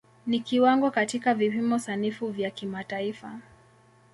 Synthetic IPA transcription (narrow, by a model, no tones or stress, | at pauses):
nikiwaŋɡɔkatikavipimɔsanifuvjakimataifa